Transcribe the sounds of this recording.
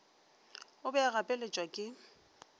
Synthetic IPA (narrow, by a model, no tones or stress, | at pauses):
ʊbɛaɣapʼelet͡ʃʼwakʼɪ